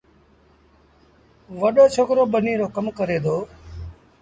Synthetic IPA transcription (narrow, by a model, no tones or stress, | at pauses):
ʋəɗoːt͡ʃʰoːkɾoːɓəniːɾoːkəmkəɾeːd̪oː